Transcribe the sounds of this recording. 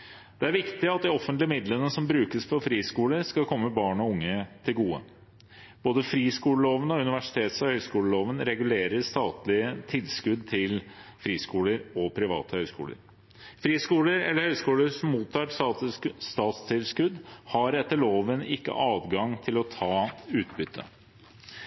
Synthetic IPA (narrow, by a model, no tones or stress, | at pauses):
d̪̥ɛæɾʋɪkt̪ɪɑt̪̚d̪ɪɔfənt̪lɪəmɪd̪lənːəsɔmbɾʉːkəsfɔɾfɾiːskuːləɾskɑlkʰɔmːəbɑːɳɔʊŋːət̪ʰɪlɡuːə̰ | b̥oːd̪əfɾiːskuːləloːʋənɔʉnɪʋæʂɪ̥t̪ʰeːt̪sɑhœʏskuːləloːʋənɾɛɡʉleːɾəʂt̪ɑːt̪lɪət̪ʰɪlskʉd̪t̪ʰɪlfɾiːskuːləɾɔpʰɾɪʋɑ̰ːt̪əhœʏskṵːlə̰ɾ | fɾiːskuːləɾɛ̰lːəɾhœʏskuːləɾsɔmmuːt̪ʰːɑːʈ | st̪ɑːt̪st̪ʰɪlskʉd̪hɑɾɛt̪ːəɭoːʋənɪkːə̰ʔɑːd̪ɡɑŋt̪ʰɪlɔt̪ʰɑːʉːt̪bʏt̪ʰːə